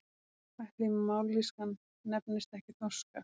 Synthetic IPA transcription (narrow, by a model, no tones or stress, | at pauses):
kʰvajht̪lɪmawɾliskan | nɛpnɪst̪ɛhcɪt̪nɔska